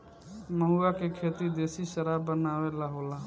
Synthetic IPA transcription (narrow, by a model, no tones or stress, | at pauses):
məɦuakekʰet̪id̪esiʃəɾabːənabelaɦola